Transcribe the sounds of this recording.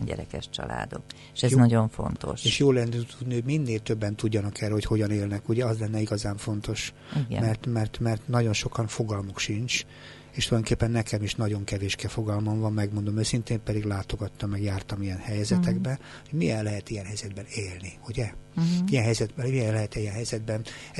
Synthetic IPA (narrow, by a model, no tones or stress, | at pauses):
ɲɟɛ̰ɾɛ̰kɛ̰ʃt͡ʃɒ̰la̰ːd̪o̞̰kː | ʃɛznɒɟo̞ɱfo̞̰nt̪o̞̰ʃeːʃjoːlɛnːɛt̪ud̪niho̞ɟminːeːlt̪øbːɛnt̪uɟːɒnɒkɛrːɛho̞cho̞ɟɒneːlnɛkuɟɛɒzlɛnːɛiɡɒzaːɱfo̞n̪t̪o̞ʃ | iɡɛ̰mɛrt̪mɛrt̪mɛrt̪nɒɟo̞nʃo̞kɒnfo̞ɡɒlmokʃint͡ʃ | eːʃtuljoŋkeːpːɛnːɛkɛmiʃnɒɟo̞ŋkɛveːʃkɛfo̞ɡɒlmɒɱvɒmːɛɡmo̞nd̪o̞møːsint̪eːmpɛd̪iɡlaːt̪o̞ɡɒt̪ːɒmːɛɡjaːrt̪ɒmijɛnhɛjɛzɛt̪ɛɡbɛ | ho̞ɟmiɛlːɛɦɛt̪ijɛnɦɛjzɛd̪bɛneːlniuɟɛijɛnɦɛjzɛd̪bɛiɛllːɛɦɛt̪ɛjɛnɦɛjzɛd̪̚bɛn